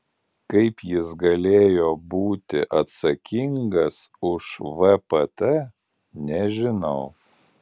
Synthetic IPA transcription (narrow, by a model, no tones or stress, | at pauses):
kɐɪpjɪsɡɐlʲeːjoːbuːt̪ʲɪʔɐt̪sɐkʲɪŋɡɐsʊʃʋɛpɛt̪ɛ | nʲɛʒʲɪnɐʊ